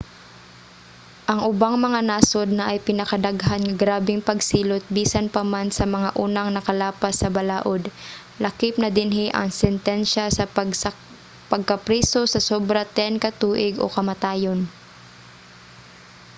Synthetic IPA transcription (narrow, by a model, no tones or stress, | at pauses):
ʔɐŋʔʊbaŋmɐŋanaːsod̪̚nɐʔɐjpɪnɐkɐd̪aɡɦanŋɐɡɾaːbɪŋpɐɡsiːlot̪̚biːsɐnpɐmansɐmɐŋaʔuːnɐŋnɐkɐlaːpɐsːɐbɐlaːʔod̪ | lɐkɪpnɐd̪ɪnɦɪʔɐ̰ŋsɛnt̪ɛnʃasɐ | pɐɡ̚kɐpɾɛːso̞sɐsobɾɐt̪ɛnkɐt̪uːʔɪɡʔo̞̰kɐmɐt̪aːjon